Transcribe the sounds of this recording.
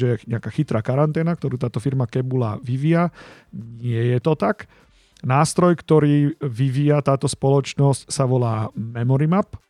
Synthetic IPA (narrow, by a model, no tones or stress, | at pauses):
ɛɛɲɛakaːxit̪ɾaːkaɾant̪ɛːnak̚t̪ɔɾuːt̪aːt̪ɔfiɾmakɛbula̰ʋiʋiaɲɪɛjɛt̪ɔt̪ak | naːst̪ɾɔjkt̪ɔɾiːʋiʋiːjat̪aːt̪ɔspɔlɔt͡ʃnɔscsaʋɔlaːmɛmɔɾimap